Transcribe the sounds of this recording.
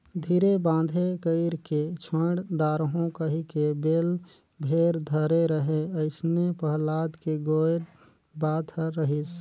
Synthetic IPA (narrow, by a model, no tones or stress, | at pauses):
d̪ʱiːɾebãːd̪ʱekəɪɾket͡ʃʰəɽd̪aːɾɦõkəɦikebeːl | bʱeɾd̪ʱəɾeɾəɦeəɪsnepəɦlaːd̪keɡoɾ | baːt̪əɾəɦis